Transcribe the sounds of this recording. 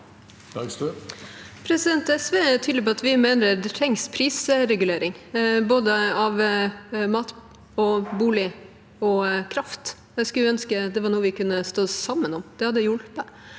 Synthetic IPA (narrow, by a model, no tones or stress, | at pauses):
pʰɾɛsɪd̪ɛnt̪ɛsʋeːæt̪ʰyd̪lɪpɔɑt̪ʋɪmeːnəɾd̪ɛt̪ʰɾɛŋspʰɾiːsəɾɛɡʉleːɾɪŋboːd̪əɑʋ | mɑːt̪ | ɔbuːlɪ | ɔkʰɾɑft̪ | æskɑlœnskəd̪ɛʋɑɳuːəʋɪkʉnːəst̪oːsɑmːənɔmd̪̥ɛhɑd̪ːəjʊlpə